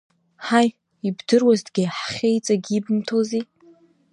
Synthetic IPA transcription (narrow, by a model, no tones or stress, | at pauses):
ħaj | ibdɨrwazdɡʲiħχʲejt͡sʼaɡʲibɨmtʰozi